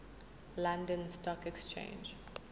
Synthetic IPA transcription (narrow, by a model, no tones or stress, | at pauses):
lãndə̃nstɔkɛkst͡ʃʰḛ̃nd͡ʒ